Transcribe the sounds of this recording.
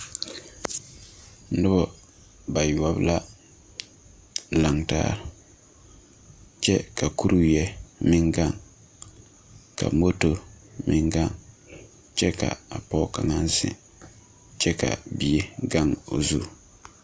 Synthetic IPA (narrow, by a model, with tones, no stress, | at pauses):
nʊ˦bɔ˨ | ba˨ju˨a˨bla˦ | la˨ŋta̰ː˦ɾ | t͡ʃɛ˦ka˨ku˦ɾu˦jɛ˦mɪ˦ŋɡa˦˨ŋ | ka̰˨mo˦to˦ | mɪ˦ŋɡa˦ŋ | t͡ʃɛ˦ka̰˨a˨pɔ˦ka˨ŋa˦n˦zɪ̰˨ | t͡ʃɛ˦ka̰˨bi˨e˦ɡa˦˨ŋo̰˨zu˦